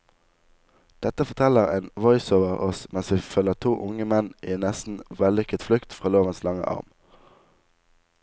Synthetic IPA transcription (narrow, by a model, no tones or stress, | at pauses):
d̪̥ɛt̪əfɔʁt̪ʰɛləʁeːnʋɔʏsoːʋəʁɔsmɛnsʋiːføːləʁt̪ʰuːʔʊŋəmɛnʔiːnɛst̪n̩ʋɛlʏkət̪flʉkt̪fʁɑːloːʋənslɑŋə̰ʔɑ̰ʁm